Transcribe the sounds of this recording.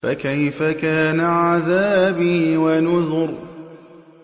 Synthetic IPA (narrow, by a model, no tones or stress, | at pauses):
fakajfakaːnaʕaðaːbiwanʊðʊɾ